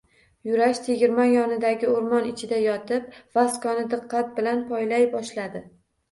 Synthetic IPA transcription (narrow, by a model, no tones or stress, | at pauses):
jʊɾaʃt̪ʰeɡʲɪɾmajɒnɪd̪aɡʲɪʊɾmɒnɪt͡ʃʰɪd̪ajɒt̪ʰɪp̚vaskɒnɪd̪ɨqʰːɑt̪̚bɪlanpʰɒjlajbɒʃlad̪ɪ